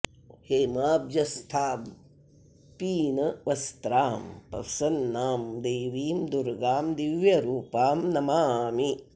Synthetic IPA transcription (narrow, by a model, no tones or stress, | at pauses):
heːmaːbjɐst̪ʰaːb | piːnɐʋɐst̪ɾaːmpɐ̰fsɐnːaːmd̪eːʋiːmd̪uɾɡaːmd̪iʋjɐɾuːpaːmnɐmaːmi